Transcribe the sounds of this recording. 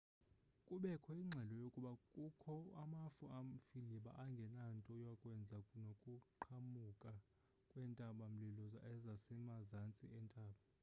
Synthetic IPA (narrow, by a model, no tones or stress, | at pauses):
kʼuɓɛkʰɔiŋ͡ǁʱɛlɔjokʼuɓakʼukʰɔamafuam̩filiɓa̰ʔaŋɡʱɛnantʼɔjwakʼwɛnd͡zʱanokʼuǃʰamukʼa | kʼwɛntʼaɓam̩lilɔza̰ɛzasɛnazant͡sʼḭɛntʼaːɓa